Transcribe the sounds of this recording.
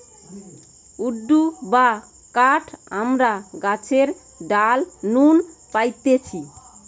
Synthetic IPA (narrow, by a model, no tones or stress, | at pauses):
uɖːuba | kaʈʰamɾaɡat͡ɕʰeɾ | ɖalnunpajt̪et͡ɕʰi